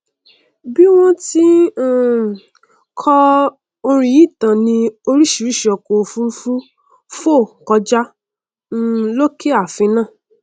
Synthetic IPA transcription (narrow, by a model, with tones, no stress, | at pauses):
bi˦w̃ɔ̃˦tĩ˦˨ | kʰɔ˦ | o˧ɾ̃ĩ˧ji˦˨tã˨nĩ˧o˧ɾi˦ʃi˨ɾi˦ʃi˨ɔ˨ko˨fũ˦fu˦ | fo˦˨kɔ˧d͡ʒa˦ | lo˦kʰe˦a˦˨fĩ˧nãː˦˨